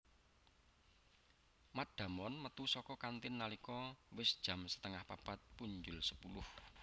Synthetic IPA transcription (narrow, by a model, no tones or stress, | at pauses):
maɖ̥ä̤mɔnmət̪usɔkɔkant̪ɪnːalikɔwɪsd̥ʒ̥ä̤msə̥t̪əŋahpapat̪̚puɲd͡ʒʊlsəpulʊh